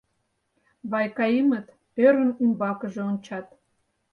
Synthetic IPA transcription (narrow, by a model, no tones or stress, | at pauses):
βɑjkɑimət̪ | øɾə̆nymbɑkə̆ʒeont͡ɕɑt̪